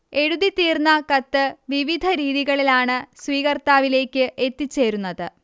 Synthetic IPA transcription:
e̞ɽuðit̪iːrnːɐkɐt̪ːɨʋiʋid̪ʱɐɾiːðiɣɐɭilaːɳɨsʋiːɣɐrt̪aːʋile̞ːkʲːɨʔe̞t̪ːit͡ɕːe̞ːɾunːɐðɨ

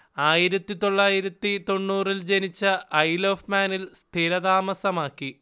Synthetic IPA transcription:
aːjiɾɐt̪ːit̪o̞ɭːaːjiɾɐt̪ːit̪o̞ɳːuːrild͡ʑenit͡ɕːɐɐjloːfmaːnilst̪ʰiɾɐðaːmɐsɐmaːkːi

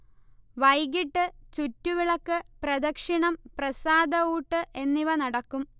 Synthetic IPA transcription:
ʋɐjɡiʈːɨt͡ɕutːuʋiɭɐkːɨprɐd̪ɐkʂiɳɐmprɐsaːd̪ɐuːʈːɨʔe̞nːiʋɐnɐɽɐkːum

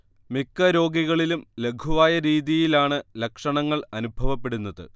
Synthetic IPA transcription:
mikːɐɾo̞ːɡiɣɐɭilumle̞ɡʰʱuʋaːjɐɾiːðijilaːɳɨlɐkʂɐɳɐŋːɐɭɐnubʱɐʋɐpːe̞ɽunːɐðɨ̰

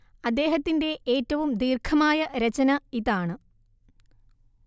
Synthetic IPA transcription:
ɐd̪ːe̞ːɦɐt̪ːinde̞ʔeːtːɐʋumd̪iːrkʰɐmaːjɐɾet͡ɕɐnɐiðaːɳɨ

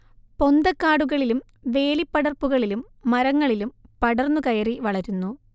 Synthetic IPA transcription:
po̞nd̪ɐkːaːɽuɣɐɭilum | ʋe̞ːlipːɐɽɐrpuɣɐɭilumː | ɐɾɐŋːɐɭilumpɐɽɐrnːukɐjɐriʋɐɭɐɾunːu

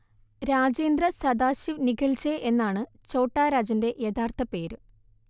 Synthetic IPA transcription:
ɾaːd͡ʑeːnd̪rɐsɐd̪aːɕiʋniɡɐlt͡ɕeʔenːaːɳɨ | t͡ɕo̞ːʈːaːɾaːd͡ʑɐnde̞ʔjed̪aːrt̪ʰɐpːe̞ːɾ

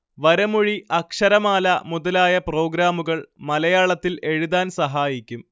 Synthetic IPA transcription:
ʋɐɾɐmuɻiʔɐkʂɐɾɐmaːlɐmuðɐlaːjɐpro̞ːɡɾaːmuɣɐɭmɐlɐjaːɭɐt̪ːile̞ɻuðaːnsɐɦaːjikʲːum

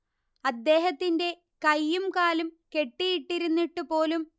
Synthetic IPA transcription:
ɐd̪ːe̞ːɦɐt̪ːinde̞ | kɐjːumkaːlumke̞ʈːijiʈːiɾunːiʈːupo̞ːlum

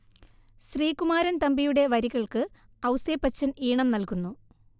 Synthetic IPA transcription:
ɕriːkumaːɾɐnt̪ɐmbijuɽe̞ʋɐɾiɣɐɭkɨ | ɐwseːpːɐt͡ɕːɐniːɳɐmnɐlkunːu

